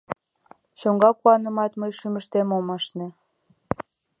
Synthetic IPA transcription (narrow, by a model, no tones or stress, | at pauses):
t͡ɕoŋɡɑkuɑnə̆mɑt̪məjʃyməʃt̪emomɑʃne